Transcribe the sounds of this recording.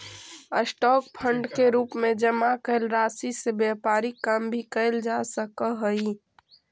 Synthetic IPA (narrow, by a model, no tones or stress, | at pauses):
əsʈɔːk̚pʰəɳɖkeɾuːpmẽd͡ʒəmakəɪlɾaːsisebjəpaːɾikəmbʱikəɪld͡ʒasəkəɦəi